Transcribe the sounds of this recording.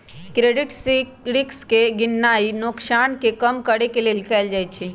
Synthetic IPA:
kɾeːɖɪʈsikɽɪkskeɡɪnːaːinʊksaːnkekɐmkəɽekelielkɛːld͡ʒaːit͡ʃʰi

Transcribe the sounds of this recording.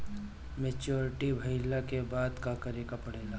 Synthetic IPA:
meːt͡ʃoːɾɪʈibʱɐɪlakebaːd̪kakəɾeːkapɐɽeːlaː

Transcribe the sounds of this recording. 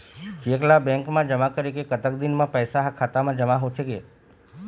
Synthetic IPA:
t͡ʃeklabɛ̃ŋkmãd͡ʒəmakəɾikekət̪əkd̪inmãpəjsaɦakʰat̪amãd͡ʒəmaɦot͡ʃʰeke

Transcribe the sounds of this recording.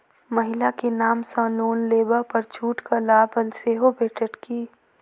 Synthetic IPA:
mɐɦɪlakenaːmsãloːnleːbapɐɾt͡ʃʰuːʈkalaːbəlseːɦobʱeːʈəʈkiː

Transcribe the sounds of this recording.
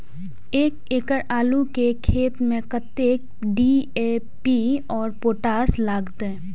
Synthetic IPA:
eːkeːkəɾaːlukekʰeːt̪mẽkət̪eːk̚ | ɖieːpiɔːɾpoːʈaːslaːɡt̪ɛ

